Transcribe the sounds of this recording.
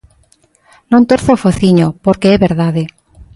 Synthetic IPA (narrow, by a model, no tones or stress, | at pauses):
nõnt̪oɾθofoθiɲopoɾkeɛβeɾðaðe